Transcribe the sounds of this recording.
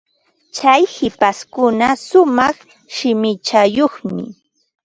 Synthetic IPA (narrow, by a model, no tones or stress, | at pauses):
t͡ʃajhɪpaskʊnasʊmɑχ | ʃɪmɪt͡ʃajoχmɪ̰